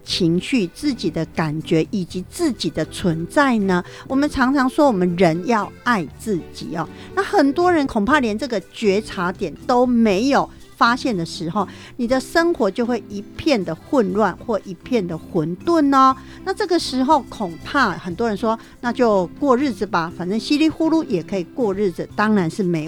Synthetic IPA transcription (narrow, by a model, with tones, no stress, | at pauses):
t͡ɕʰi˧˥ŋɕy˥˧t͡sɹ̩˥˩t͡ɕi˨˩d̪ə˦ka˨˩nt͡ɕɥɛ˧˥ʔi˨˩t͡ɕi˨˧˦t͡sɹ̩˥˩t͡ɕi˨˩d̪ə˦t͡sʰwə˧˦nt͡sa˥˩ɪnə˦ | wʔɔ˨˩mə˨˦nʈ͡ʂʰɑ˧˥ŋʈ͡ʂʰɑ˧˥ŋʂwɔ˦˥wɔ˨˩mə˦nɻə˧˦njɑ˥˧ʊa˥˧ɪt͡sɹ̩˥˩t͡ɕḭ˨˩ɔ˨˩ | na˥˩xə˨˩nt̪wɔ˥ɻə˧˦nkʰo˨˩ŋpʰa˥˩ljɛ˧˦nt͡sɤ˥˩ɡə˨t͡ɕɥɛ˧˥ʈ͡ʂʰa˧˥t̪jɛ˨˩nt̪o˥ʊme˧˥ɪjo˨˩ʊ | fa˥ɕjɛ˥˩nd̪ə˩ʂɻ̩˧˦xo˥˧ʊ | ni˨˩d̪ə˨ʂə˥ŋxwɔ˧˥t͡ɕjo˥˧ʊxwe˥˩ɪʔi˧˥pʰjɛ˥˩nd̪ə˩xʊ˥˧nɻwa˥˨nxwɔ˥˩ʔi˧˥pʰjɛ˥˩nd̪ə˨˩xwə˧˦˥nt̪wə˥˩nɔ˨ | na˥˧ʈ͡ʂɤ˥˩ɡə˨˩ʂɻ̩˧˥xo˥˩ʊkʰʊ˨˩ŋpʰa˥˩xə˨˩nt̪wɔ˦˥ɻə˧˦nʂwɔ˦ | na˥˧t͡ɕjo˥˧ʊkwɔ˥˧ɻɻ̩˥˩d͡z̩˨˩ba˩fa˨nt͡sə˥˧ŋɕi˥li˥xu˥˧lu˥˩jɛ˨˩kʰə˧˥i˨˩kwɔ˥˧ɻ̩˥˩d͡z̩˨˩t̪ɑ˥ŋɻa˧˦nʂɻ̩˥˩me˧˥